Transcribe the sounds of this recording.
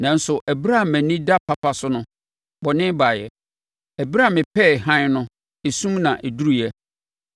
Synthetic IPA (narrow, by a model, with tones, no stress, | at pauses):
nã˨n̩˦sʊ˨ʔæ˨bɾa˦˨mæ̃˨nĩ˦da˦pʰa˦pʰa˨sʊ˦nʊ̃˦ | bɔ˨nɪ̃˦baː˨jɛ̰˨ | æ˨bɾa˦˨mɪ̃˨pʰɛ˦˨ɦã˦nʊ̃˦ | e˨sũ˦mnã˨ʔe˨du˦ɾu˨jɛ˦